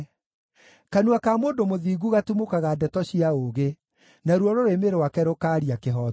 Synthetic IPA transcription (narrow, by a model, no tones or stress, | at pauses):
kanuakamoːndomoðiːɣuɣatumokaɣadɛtɔɕiaoɣe | naɾwɔɾoɾemeɾewakɛɾokaːɾiakeɦɔ